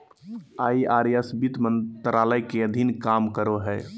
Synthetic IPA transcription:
aiaɾjəsbit̪mənt̪ɾaləjkeəd̪ʱinkamkəɾoɦɛ

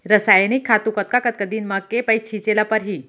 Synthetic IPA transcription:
ɾəsajnikʰːat̪ukət̪̚kakət̪̚kəd̪iːnməɡ̚kepəjt͡ɕʰit͡ɕelapəɾɦiː

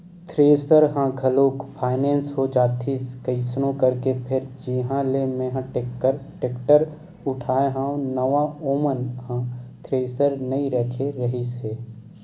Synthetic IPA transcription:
t̪ʰɾeːsəɾɦãɡʰʱɐloːkpʰaːɪnẽːnsɦod͡ʒaːt̪ʰiskəɪsnõkɐɾkepʰɪɾd͡ʒɪɦãlemẽɦãʈəɾʈeːkʈəɾ | ʊʈʰaːeɦãːõnəʋaoːmənhãt̪ʰɾeːsəɾnɐĩɾəkʰeɾɐɦisɦeː

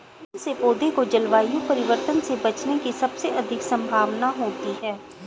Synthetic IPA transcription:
sepoːd̪ekod͡ʒɐlʋaːjõpɐɾɪʋəɾt̪ənsebɐt͡ʃnekisɐbseʔɐd̪ʱɪksɐ̃mbʱaːʋnaɦoːt̪iɦɛː

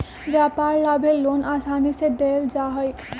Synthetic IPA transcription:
ʋjaːpaːɾlaːbʱeloːnʔaːsaːnised̪eːld͡ʒaːɦəi

